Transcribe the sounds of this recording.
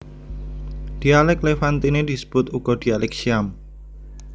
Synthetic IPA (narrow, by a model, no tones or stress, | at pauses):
d̥ialɛklefant̪ined̥isə̥b̥ʊt̪uɡ̥ɔd̥i̤alɛk̚ʃiam